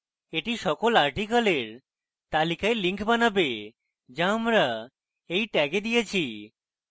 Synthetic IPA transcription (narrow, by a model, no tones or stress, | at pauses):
eʈiʃɔkolaɾʈikaleɾ | t̪alikaeliŋkʰbanabe | d͡ʑaamɾa | ejʈɛɡed̪ijet͡ɕʰi